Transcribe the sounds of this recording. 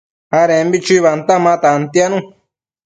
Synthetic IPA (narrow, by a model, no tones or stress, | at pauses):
haɾẽmbit͡ʃiβant̪amãt̪ant̪janũ